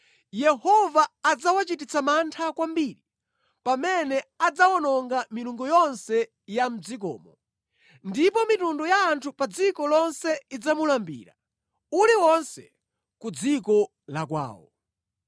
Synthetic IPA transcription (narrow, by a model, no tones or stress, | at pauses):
jɛhɔvaːd͡zawat͡ʃitit͡samantʰakwambiːɾi | pamɛnɛad͡zawɔnɔŋɡamiluŋɡɔjɔnsɛ | jam̩d͡zik̬ɔ̰ːmɔ̰ | ndipɔmitundɔjaːntʰupad͡zikɔlɔnsɛid͡zamulambḭːɾa̰ | uliwɔnsɛ | kud͡zikɔ | lakwa̰ːwɔ̰